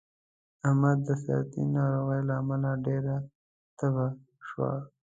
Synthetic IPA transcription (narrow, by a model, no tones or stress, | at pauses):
ahmad̪d̪əsa̰t̪ḭnɑɾoɣəjlaːmalaɖeɾa | t̪aba | ʃwa̰